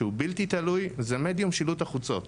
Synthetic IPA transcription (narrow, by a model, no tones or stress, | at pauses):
eubiltit̪alujzeme̞d̪jumʃilutaχut͡so̞̰t̪